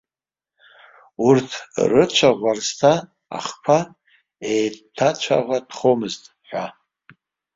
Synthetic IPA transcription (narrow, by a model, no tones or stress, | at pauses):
urtʰrɨt͡ʃʷʰaʁʷarstʰa | a̰χpʷʰa | ejtʰat͡ʃʷʰa̰ʁʷad̥χomɨztʼ | ħʷa